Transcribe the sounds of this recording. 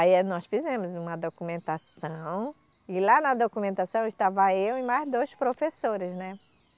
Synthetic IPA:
ainɔsfizẽmʊzũmɐd̪okumẽnt̪asɐ̃w̃ | ɪlanɐd̪okumẽnt̪asɐ̃w̃ɪʃt̪avɐewɪ̃majzd̪ojspɾofesoɾɪznɛ

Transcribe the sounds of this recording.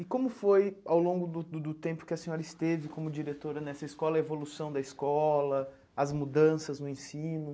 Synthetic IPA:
ɪkõmʊfojawlõɡʊd̪ʊd̪ʊt̪ẽmpʊ̥kɪɐsẽɲɔɾɐɪst̪evɪkõmʊd͡ʒiɾet̪oɾɐnɛsɐɪskɔlɐevolusɐ̃w̃d̪ɐɪskɔlɐ | ɐzmud̪ɐ̃sɐznʊẽsĩnʊ

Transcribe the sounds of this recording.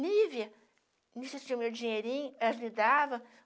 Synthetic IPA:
liviɐ | niset͡ʃĩɲɐ̃mewd͡ʒĩɲeɾĩɲʊɛlɐmid̪avɐ̃

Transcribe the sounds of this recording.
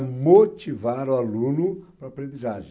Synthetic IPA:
mot͡ʃivaɾualũnupɾaːpɾẽnd̪izaʒẽ

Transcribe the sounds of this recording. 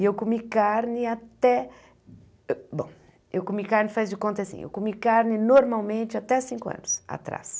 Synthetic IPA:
ɪewkomikaɾnɪat̪ɛ | bõ̰w̃ | ewkomikaɾnɪfazd͡ʒɪkõnt̪ɐasḭ̃ḛwkomikaɾnɪnoɾmawmẽnt͡ʃɪat̪ɛasĩŋkʊɐ̰̃nʊsa̰t̪ɾa̰s

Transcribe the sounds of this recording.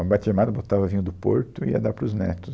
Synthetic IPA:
bat͡ʃ̪emad̪ɐbot̪avɐvĩɲʊd̪ʊpoɾt̪ʊḭɐ̰d̪apɾʊznḛt̪ʊ

